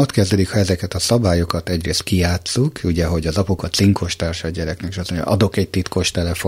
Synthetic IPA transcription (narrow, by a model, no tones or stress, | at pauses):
o̞t̪kɛzd̪ɛd̪ikhɒɛzɛkɛt̪ɒsɒbaːjo̞kɒt̪ɛɟreːst̪̚kijaːt̪sukuɟɛɦo̞ɟɒzɒpukɒt̪siŋkʰo̞ʃt̪aːrʃɒːɟɛɾɛknɛkiʃɒsoɲ̰ʔɒ̰d̪o̞kɛɟ̚t̪it̪ko̞ʃt̪ɛlɛfo